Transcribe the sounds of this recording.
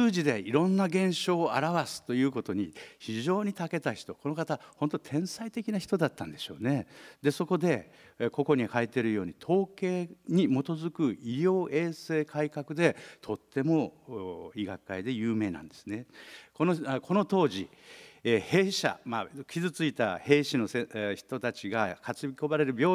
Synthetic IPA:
ɨːʑid̪e̞iɾõ̞nːaɡẽ̞ɰ̃ɕo̞ːaɾaβasɨ̥t̪o̞jɯ̟ːko̞t̪o̞ɲ̟içiʑo̞ːɲ̟it̪ake̞t̪açi̥t̪o̞ko̞no̞kat̪aho̞nt̪ot̪ʰẽ̞ɰ̃sait̪e̞kʲinaçi̥t̪od̪at̪ːãnd̪e̞ɕo̞̰ːne̞d̪e̞so̞ko̞d̪e̞ | ko̞ko̞ɲ̟ihait̪e̞ɾɯjo̞ːɲ̟it̪ʰo̞ːke̞ːɲ̟imo̞t̪o̞zɨkɯ̟iɾʲjo̞ːʔe̞ːse̞ːkʰaikakɯ̟d̪e̞t̪ʰo̞t̪ːe̞mo̞ | iɡakːaid̪e̞jɯːme̞ːnã̰nd̪e̞̥sɨnekonokʰo̞no̞t̪o̞ːʑi | he̞ːɕa̰makʲizɨt͡sɨit̪ahe̞ːɕino̞seçi̥t̪o̞t̪at͡ɕiɡakat͡sɨbʲiko̞baɾe̞ɾɯ̟bʲo̞ː

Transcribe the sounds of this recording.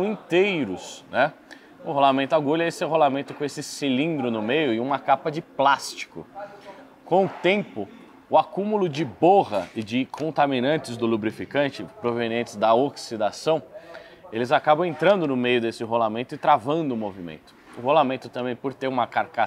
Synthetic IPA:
w̃ĩt̪ejɾʊsnɛ | ʊ̰̃holamẽnt̪ʊaɡulɐesɛɦolamẽnt̪ʊkõesɪsilĩnd̪ɾʊnʊmejʊɪũmɐkapɐd͡ʒɪplast͡ʃi̥kʊ̰ | kõw̃ʊt̪ẽpʊ | ʊakũmʊlʊd͡ʒɪboʁɐɪd͡ʒɪkʰõnt̪aminɐ̃nt͡ʃɪzd̪ʊlubɾifikɐ̃nt͡ʃɪpɾoveniẽntt͡ʃɪzd̪ɐoksid̪asɐ̃w̃ | elɪzakabɐ̃w̃ẽnt̪ɾɐ̃nd̪ʊnʊmejʊd̪esɪɦolamẽnt̪ʊɪt̪ɾavɐ̃nd̪ʊːmovimḛ̃nt̪ʊ̥ʊholamẽnt̪ʊt̪ɐ̃mbẽj̃poɾt̪eɾũmɐkaɾkas

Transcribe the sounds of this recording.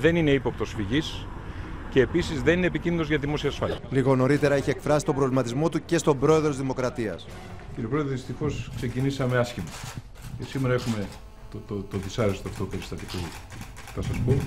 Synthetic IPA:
ðe̞nine̞ipo̞p̚t̪o̞sfiʝis | ce̞ːpisizðe̞ninepiciniðozʝɐðimo̞siɐːsfɐliɐliɣo̞no̞ɾit̪e̞ɾɐeçiekfɾɐsist̪o̞bɾo̞vlimɐt̪izmo̞t̪uce̞st̪o̞bɾo̞e̞ðɾt̪izðimo̞kɾɐt̪iɐ̰s | ciɾijopɾoðɾeðist̪ixo̞skse̞cinisɐmeɐsçimɐ | ce̞simeɾɐe̞xume̞ | t̪ot̪ot̪oðisɐɾest̪oɐft̪oupe̞ɾist̪ɐt̪iku | θɐsɐspo̞

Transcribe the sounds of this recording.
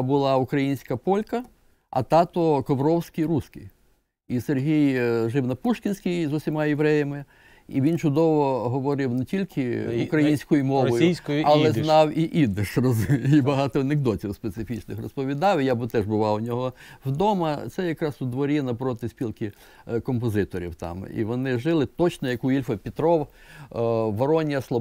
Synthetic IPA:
bʊlˠɑʊkɾɐjinʲsʲkɐpɔlʲkɐ | ɐ̰t̪ɑt̪ɔkɔʋɾɔwsʲkʲijɾusʲkɪj | iserɦijʒɪwnɐpuʃkʲɪnʲsʲkʲijzʊsʲimɑjeʋɾɛjɐmɪ | iʋʲint͡ʃʊd̪ɔʋɔɦɔʋɔɾɪwnetʲilʲkʰɪukɾɐjinʲsʲkɔjʊmɔʋɔjʊsʲkɐlˠɛznɑwiʔid̪ɪʃrɔzibɐɦɑt̪ɔɐneɡd̪ɔtʲiwspet̪sɪfʲit͡ʃnɪxrɔspɔʋʲid̪ɑwijabʊt̪ɛʒbʊʋɑwʊnʲɔɦɔwd̪ɔmɐt̪sɛjɐkɾɑsʊd̪ʋɔɾʲinɐpɾɔt̪ɪsʲpʲilˠkɪ | kɔmpɔzɪt̪ɔɾʲḭwt̪ɑ̰mḭʋɔnɪʒɪlˠɪt̪ɔt͡ʃnɔjɐkuilʲfɐpʲɪt̪ɾɔw | ʋɔɾɔnʲjɐslˠɔ

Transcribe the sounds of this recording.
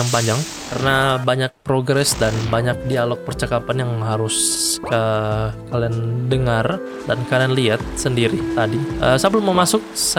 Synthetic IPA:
aŋpaɲd͡ʒaŋ | karənabaɲak̚pɾoɡɾɛsdanbaɲak̚dialɔk̚pərt͡ʃəkapanjaŋɦaɾʊskəkaliandəŋar | dankalianliat̪̚səndiɾit̪adiʔəsabəlməmasʊk̚sa

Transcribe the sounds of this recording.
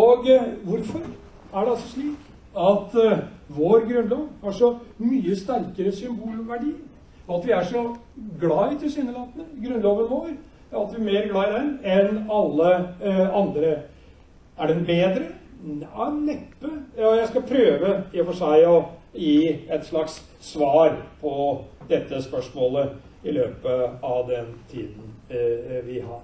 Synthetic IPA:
oːɡʋʊɾfɔɾ | æɖɛɑlsɔʂɭiːk | ɑt̪ʋoːɾɡɾʉnlɑːʋhɑʂɔmyːəst̪æɾkəɾəsʏmbuːlɔʋæɖiː | ɔɑt̪ʋɪæʂɔ | ɡlɑɪt̪ʰɪlsɪnːəlɑːt̪ənəɡɾʉnːlɑːʋənʋoːɾ | ɑt̪ʋɪæmeːɾɡlɑːɪd̪ɛnɛnɑlːəɑnd̪ɾə | æɖɛnbeːd̪ɾə | nɛpːəjɑjæɪskɑpʰɾøːʋəɪfɔʂæɪɔjiːɛt̪ʂɭɑks | sʋɑːɾpʰɔd̪ɛt̪ːəspœʂmoːlə | ɪløːpəɑʋd̪ɛnt̪ʰḭːd̪n̩ | ʋɪɦɑ̰ɾ

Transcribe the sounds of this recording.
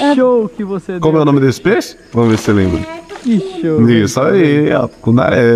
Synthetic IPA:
ɛʃokɪvosekõmʊɛwnõmɪd̪esɪ̥peʃ | vɐ̃mveselẽbɾɐiʃoisaia̰kũna̰ɾɛ

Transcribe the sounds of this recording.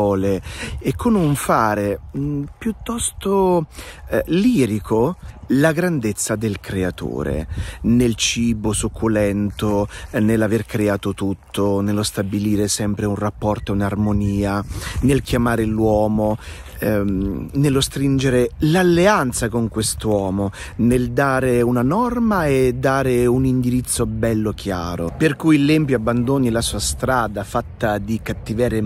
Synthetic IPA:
ɔːleekʰːonuɱfaːɾepjut̪ːɔst̪o | liːɾikʰolaɡɾand̪et̪sːad̪elkɾeat̪o̰ːɾḛnelt͡ʃiːbosukʰːulɛnt̪onelːaverkɾeaːt̪ot̪ut̪ʰːonelːost̪abiliːɾesɛmpɾeunrapːɔrt̪ounarmoniːanelkjamaːɾelwɔːmo | nelːost̪ɾind͡ʒeɾelalːeant̪sakoŋkwest̪wɔːmoneld̪aːɾeunanɔrmaed̪ːaːɾeunind̪iɾit̪sːobɛlːok̟ʰja̰ːɾoperkujlːɛmpjoabːand̪oːnilasuːast̪ɾaːd̪afat̪ːad̪ikat̪ːivɛːɾe

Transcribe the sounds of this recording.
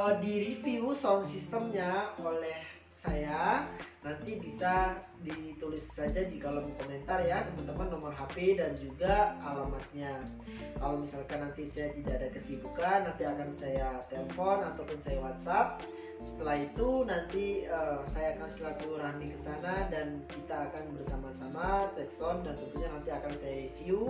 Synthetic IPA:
ədiɾifiusɔŋsist̪əmɲaolɛh | sajanant̪ibisa | dit̪ulɪsːad͡ʒadikalɔmikomɛnt̪arjat̪əmənt̪əmanːɔmɔnɦapedand͡ʒuɡaalamat̪̚ɲa | kalowmisalkanːant̪isajat̪idaːdakəsibukanːant̪iakansajat̪eləfɔnat̪awpʊnsajawat̪̚sap̚ | sə̥t̪əlahit̪unant̪iəːsajaːkansilakuɾanikəsanadankit̪aːkanbərsamasamat̪ɛksɔndant̪ənt̪uɲanant̪iakansajaifiu

